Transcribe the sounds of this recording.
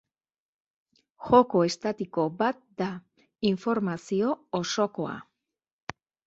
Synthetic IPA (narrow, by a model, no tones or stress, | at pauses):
xo̞ko̞e̞st̪at̪iko̞bat̪̚d̪a | iɱfo̞ɾmasio̞ːso̞ko̞a̰